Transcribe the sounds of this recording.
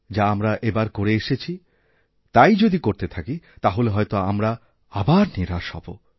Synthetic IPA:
d͡ʑaamɾaʔebaɾkoɾeeʃet͡ɕʰi | t̪ajd͡ʑod̪ikoɾt̪et̪ʰakit̪aɦoleɦɔjt̪oamɾa | abaɾniɾaʃɔ̰bo̰

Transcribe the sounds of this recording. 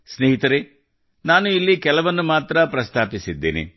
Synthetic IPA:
sneɦit̪ɐɾe | naːnuilːikɛlɐʋɐnːumaːt̪ɾɐpɾɐst̪ʰaːpisid̪ːḛːnḭ

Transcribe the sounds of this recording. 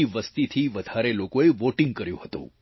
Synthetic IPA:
iʋəst̪it̪ʰiʋəd̪ʱaɾelokoeʋoʈĩŋɡ̚kəɾjṵ̃ɦət̪ṵ̃

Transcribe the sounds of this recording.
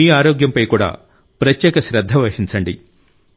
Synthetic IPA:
iːaːɾoːɡjɐmpɐjkuːɽa̰ː | pɾɐt̪jɛːkɐʃɾɐd̪ʱːɐʋɐʂint͡ʃɐɳɖi

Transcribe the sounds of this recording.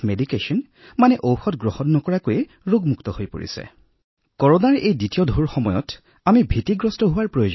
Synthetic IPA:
medikesɔn | manɛʔowxɔtɡɹɔhɔnːɔkɔɹakojɛ | ɹoɡmuktɔhojpo̰ɹḭsɛ̰ | kɔɹɔnaɹejditiɔdʱoɹxɔmɔjɔt | amibʱitiɡɹɔstɔɦʊwaɹpɹojod͡ʒ

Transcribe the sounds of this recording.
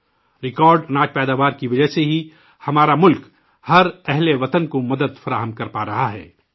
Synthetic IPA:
ɾɪkɔːɾɖnaːt͡ʃpɛːd̪aːʋaːɾkiʋɐd͡ʒəɦseɦi | hɐmaːɾamʊlk | hɐɾɛɦleʋɐt̪ənkomɐd̪əd̪fɐɾaːɦəmkɐɾpaːɾɐɦaɦɛ̰ː

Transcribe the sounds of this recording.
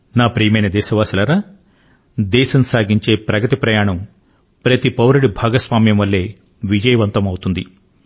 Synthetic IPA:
naːpɾiːmɐjnɐd̪ɛːʃɐʋaːsilɐɾaː | d̪ɛːʃɐmsaːɡiɲt͡ʃe̞ːpɾɐɡɐt̪ipɾɐjaːɳɐm | pɾɐt̪ipɐwɾɐɽibʱaːɡɐsʋaːmjɐmʋɐlːe̞ː | ʋid͡ʒɐjɐʋɐnt̪ɐmɐwut̪und̪i

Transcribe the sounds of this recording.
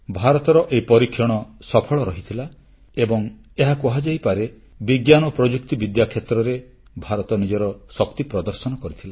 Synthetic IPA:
bʱaɾɔt̪ɔɾɔʔeipɔɾikʰːjɔɽ̃ɔsɔpʰɔɭɔɾɔɦit̪ʰila | ebɔŋ | eɦakuɦad͡ʒajpaɾe | biɡjanɔpɾɔd͡ʒuk̚t̪ibid̪jakʰːjet̪ɾɔɾe | bʱaɾɔt̪ɔnid͡ʒɔɾɔsɔkt̪ipɾɔd̪ɔɾsɔnɔkɔɾit̪ʰila

